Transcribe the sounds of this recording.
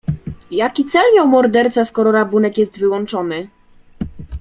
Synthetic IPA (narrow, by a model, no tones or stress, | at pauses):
jakʲit̪sɛljɔ̃wmɔɾd̪ɛɾt̪saskɔɾɔɾabunɛkjɛst̪vɘwɔnt͡ʂɔnɘ